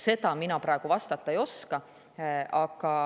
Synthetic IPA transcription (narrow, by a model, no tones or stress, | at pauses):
se̞d̪ɑminɑpɾɑˑe̞ɡ̥uvɑst̪ɑt̪ːˑɑejo̞skɑ | ɑɡɑ